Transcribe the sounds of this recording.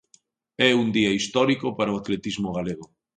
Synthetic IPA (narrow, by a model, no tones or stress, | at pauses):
ɛund̪iɐist̪ɔɾikopaɾaoat̪let̪izmoɣ̞aleɣ̞o